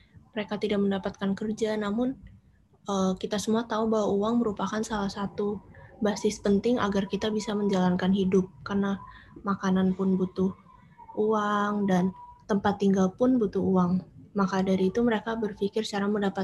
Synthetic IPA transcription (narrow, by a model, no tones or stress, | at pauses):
məɾekat̪idak̚məndapat̪̚kankərd͡ʒanamʊn | əkit̪asəmuat̪aubaɦwauaŋməɾupakansalahsat̪ubasɪspənt̪ɪŋa̰ɡarkit̪abisaməɲd͡ʒalankanɦidʊp̚karnamakananpʊnbut̪ʊh | uaŋdant̪əmpat̪ːiŋɡalpʊnbut̪ʊɦuaŋmakadaɾiːt̪uməɾekabərfikɪrst͡ʃaɾaməndapa